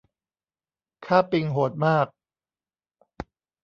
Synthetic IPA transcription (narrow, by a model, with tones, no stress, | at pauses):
kʰaː˥˩pi˧ŋɦoː˨˩t̪̚maː˥˩k̚